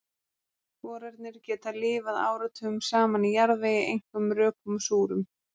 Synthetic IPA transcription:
kɔːɾaɾt̪nɪɾcɛːt̪alɪːvaða̰ːwɾat̪ʰœːʏmsaːmanijaɾðvɛjɪʔejŋ̥kʏmɾœːkʏmsuːɾʏm

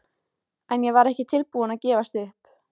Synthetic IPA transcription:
ɛnjɛvaɾɛhcɪt̪ʰɪlpuːanaðcɛːvast̪ɪʏhp

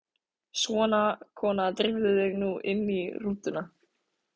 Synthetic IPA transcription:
svɔːnakʰɔːnat̪ɾɪvðɪðɪɣnuʔɪ̰nːiruːt̪ʏna

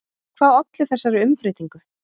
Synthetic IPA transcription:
kʰvaːðɔt̪lɪθɛsːaɾɪʏmfɾɪːt̪iŋkʏ

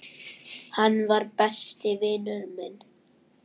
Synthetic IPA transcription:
hanːvaɾpɛst̪ɪvɪːnʏðmɪn

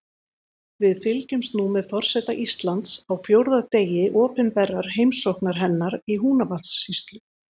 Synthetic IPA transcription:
vɪðfɪlcʏmst̪numɛðθɔr̥sɛt̪aʔist̪lant̪sawfjowɾðat̪eːjɪʔɔːpɪnpɛrːaɾ̥hejmsɔhknaɾ̥ɦɛnːaɾiɦuːnavalt̪sːist̪lʏ

